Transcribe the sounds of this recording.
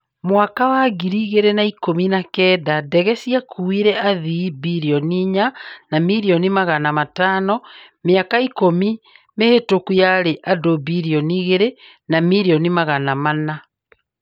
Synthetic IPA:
mwakawaɡiɾiɣeɾenaikominakɛːdadɛɣɛsiakʰuiɾɛʔaðibiɾiɔniɲanamiɾiɔnimaɣanamatanɔ | meakaikomimehetokujaɾeʔadobiɾiɔniɣeɾe | namiɾiɔnimaɣanamana

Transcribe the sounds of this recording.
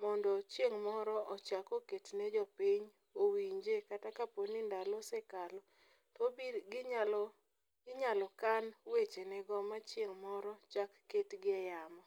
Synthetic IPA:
mɔndɔt͡ʃjeŋmɔɾɔʔɔt͡ʃakɔketnɛd͡ʒɔpiɲ | owiɲd͡ʒekatakaponindalɔsɛkalɔ | tɔbiɡal | ɡɪɲalɔkanwet͡ʃenɛɡɔmat͡ʃjeŋmɔɾɔt͡ʃakːetɡɪɛjamɔ

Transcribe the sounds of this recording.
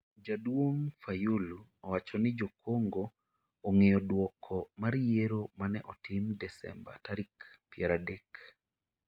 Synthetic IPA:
d͡ʒadwoŋfajuluɔwat͡ʃɔnɪd͡ʒokʰoŋɡoː | ŋejɔdwɔkʰɔmaɾjeɾomanɛʔɔtɪmdɛsɛ̰mba̰taɾikpijaɾadek

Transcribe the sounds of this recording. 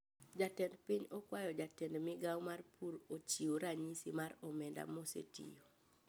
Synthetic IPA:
d͡ʒatɛndpiɲɔkwajɔd͡ʒatɛndmɪɡawmarpʰuɾot͡ʃioɾaɲisimaɾɔmɛnda̰mosḛtḭjo

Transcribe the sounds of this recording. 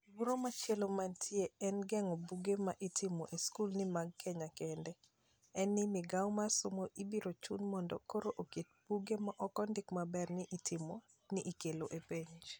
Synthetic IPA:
wuɾomat͡ʃɛlomantʰɪeɛnɡɛŋobuɡemaʔitʰɪmoʔeskulnɪmaɡ̚kɛɲakɛndɛ | ɛnːɪmɪɡawmasomoʔibiɾot͡ʃunmɔndɔ̰koɾoʔoket̚b̥uɡemaʔɔkɔndɪkmabɛrnɪʔitʰɪmo | nɪʔikeloʔepeɲd͡ʒ

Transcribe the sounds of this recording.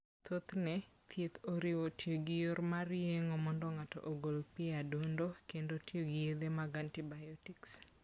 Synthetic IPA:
t̪ot̪nɛ | t̪ʰjet̪oɾɪwotʰjoɡɪjoɾmarɪeŋomɔndɔŋatɔ̰ʔoɡolpɪadundokendotioɡɪjed̪emaɡantibajɔtiks

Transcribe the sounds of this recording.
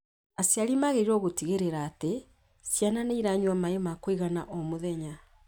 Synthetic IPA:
asjaɾimaɣeɾiɾɔɣotiɣeɾeɾaːte | sjananeiɾaɲwamaemakoiɣana̰ʔɔmoðɛɲa

